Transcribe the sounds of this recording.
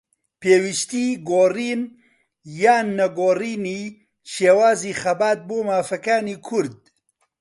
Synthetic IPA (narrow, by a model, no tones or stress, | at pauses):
peːwiʃt̪iːɡoːriːn | jaːnːɐɡoːriːniː | ʃeːwaːziːxɐbaːt̪̚boːmaːfɐkaːniːkʰʊɾd̪̚